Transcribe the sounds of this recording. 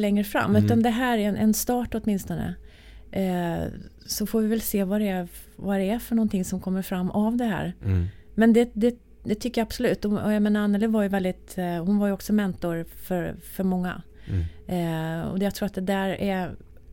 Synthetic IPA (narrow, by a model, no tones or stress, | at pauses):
lɛŋːɾəfɾa̰mːʉ̟ːt̪and̪ɛɦæːɾɛɾɛnʔɛ̰nst̪ɑːʈɔt̪mɪnst̪ɔnə̰ | sɔfoːvɪvɛlseːvad̪ɛvad̪ɛæɾfœɳɔnt̪ʰɪŋsɔmkʰɔmːəɾfɾamːʔavd̪ɛɦæ̰ːɾ | mɛnd̪ɛd̪ɛ | d̪ɛt̪ʰʏkːəjaab̥sɔlʉ̟ːt̪ːɔɔjajmeːnaɾanːɛlɪvaɾjɵvɛld̪ɪt̪hʊnvaɾjɵɔksɔmɛnt̪ɔɾfœɾfœɾmɔŋːa̰ | ɔ̰d̪jat̪ʰɾuːɾat̪̚d̪ɛd̪æːɾæ